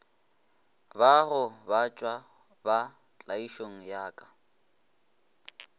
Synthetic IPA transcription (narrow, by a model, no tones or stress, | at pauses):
baɣʊbat͡ʃʼwa | ba | t͡ɬʼaiʃoŋ̩jaːkʼḁ